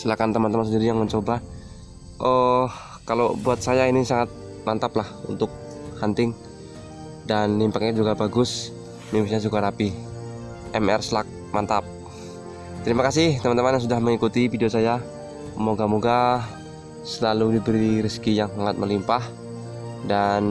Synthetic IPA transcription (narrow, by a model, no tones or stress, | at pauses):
səlakant̪əmant̪əmansəndidijaŋməɲt͡ʃoba | ʔɔh | kalobuat̪̚sajainisaŋat̪̚ | mant̪aplahunt̪ʊk̚ | hant̪ɪŋ | danːimpak̚ɲad͡ʒuɡabaɡʊs | mimisɲad͡ʒuɡaɾapi | ʔɛmɛrslak̚mant̪ap̚ | t̪əɾimakasɪht̪əmant̪əmanjaŋsudahməŋikut̪ifideosaja | moɡamuɡa | səlaludibəɾiɾiskijaŋsaŋat̪̚məlimpah | dan